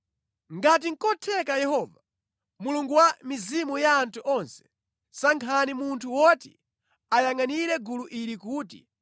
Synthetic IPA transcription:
ŋɡat̬iŋ̩kɔtʰɛkajɛhɔːva | muluŋɡuwamizimujaːntʰuʔɔnsɛ̥ | saŋkʰanimuntʰuwɔti̥̰ | ajaŋaniɾɛɡuluʔiɾikuːtḭ

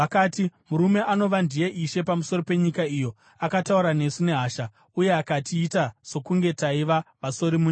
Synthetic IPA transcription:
akaːtimuɾume̞ano̞ʋandije̞ʔiʃe̞pamuso̞ɾo̞pe̞ɲikaijo̞ | akatauɾane̞sune̞ɦaːʃa | uje̞akatiːtaso̞kuŋɡe̞taiʋaʋaso̞ɾimuɲ

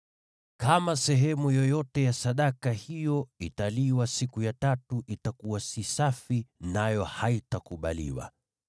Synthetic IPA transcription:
kamasɛɦɛmujɔjɔtɛjasaɗakahijɔitaliwasikujatatuʔitakuwasisafinajɔhaitakuɓa̰lḭwa̰

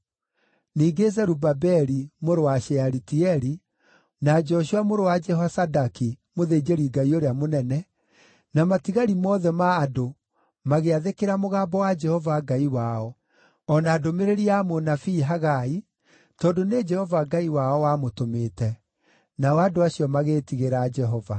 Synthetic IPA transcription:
niːɡezɛɾubabɛɾimoɾowaʃɛaɾitiɛɾi | nad͡ʒɔɕuamoɾowad͡ʒɛɦasadakimoðed͡ʒeɾiɡaioɾeamonɛnɛ | namatiɣaɾimɔːðɛmaːdo | maɣeaðekeɾamoɣaːbɔwad͡ʒɛhɔvaɡaiwaɔ | ɔnaːdomeɾeɾiamonafiːɦaɣai | tɔːndoned͡ʒɛhɔvaɡaiwaɔwamotometɛ | naɔadoaɕiɔmaɣeːtiɣeɾad͡ʒɛɦɔva̰

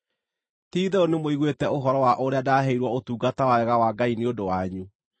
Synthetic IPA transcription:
tiːðɛonemoiɣwetɛoɦɔɾɔwaʔoɾeadaɦeiɾwɔotuːɡatawaɛɣawaɡaineodowaɲu

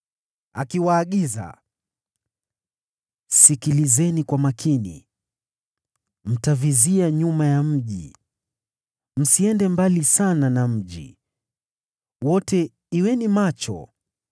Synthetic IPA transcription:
a̰kiwaːɠiza̰ | sikilizɛnikwamakʰinḭ | m̩taviziaɲumajam̩ʄḭ | m̩siɛndɛmbalisananam̩ʄḭ | wɔtɛ | iwɛnimat͡ʃɔ̰

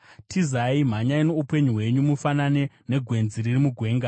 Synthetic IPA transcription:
tʰizaim̤aɲaino̞upe̞ɲuɦwe̞ɲumufanane̞ | ne̞ɡʱwe̞nziririmuɡʱwe̞ːŋɡa

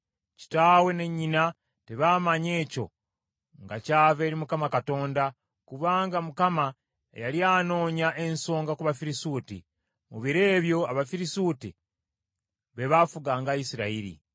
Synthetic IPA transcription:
ci̥taːwe̞ne̞ɲːina | te̞βaːmaɲe̞ːco̞̰ | ŋɡacaːve̞ːɾimukamakato̞ːnda | kuβaːŋɡamukama | ḛjaliaːno̞ːɲaʔe̞nso̞ːŋɡakuβafiɾisuːtḭ | muβiɾe̞ːβjo̞aβafiɾisuti | βe̞βafuɡaːŋɡaisiɾaiɾḭ

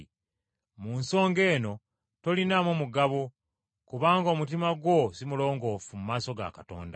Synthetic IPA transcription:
munso̞ːŋɡe̞ːno̞ | to̞linamomuɡaβo | kuβaːŋɡomut̬imaɡwo̞simulo̞ːŋɡo̞ːfumumaːso̞ɡa̰kato̞̰ːnda̰

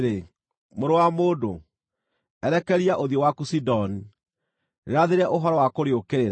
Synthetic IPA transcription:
ɾe | moɾowamoːdo | ɛɾɛkɛɾiaʔoðiowakusidɔni | ɾeɾaðeɾɛʔoɦɔɾɔwakoɾeokeɾeɾa

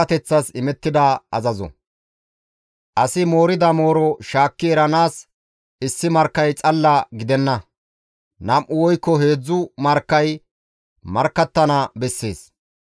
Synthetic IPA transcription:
ɐt̪ɛt͡sːɐsɪmɛt̪ːɪd̪ɐɐzɐzɔ̰ | ʔɐsɪmo̞ːɾɪd̪ɐmo̞ːɾɔʃaːkːɪɛɾɐnaːs | ɪsːɪmɐɾkːɐjt͡sʼɐlːɐɡɪd̪ɛnːɐ | nɐmʔʊwɔjkːɔɦe̞ːd͡zːʊmɐɾkːɐj | mɐɾkːɐt̪ːɐnɐbɛsːe̞̰ːs

